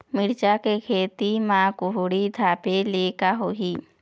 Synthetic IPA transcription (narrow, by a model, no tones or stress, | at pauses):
mɪɽt͡ʃakekʰeːt̪imãːkʊɦʊɽid̪ʱaːpeleːkaɦoɦiː